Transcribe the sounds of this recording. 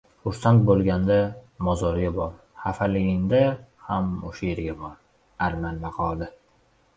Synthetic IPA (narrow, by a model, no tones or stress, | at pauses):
χʊɾsant̪̚bolˠɡʲand̪amɒzɒɾɪɡʲabɒɾ | hafalɪɡʲɪnd̪ahamʊ̰ʃajeɾɡʲabɒɾ | aɾmanbaqʰɒd̪ɪ